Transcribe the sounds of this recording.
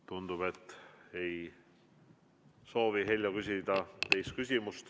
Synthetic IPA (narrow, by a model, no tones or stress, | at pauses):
t̪und̪̥ub̥e̞t̪ːˑe̞j | so̞ːviɦelʲjɑkys̬ʲid̪̥ɑt̪e̞jst̪̚kys̬ʲimust̪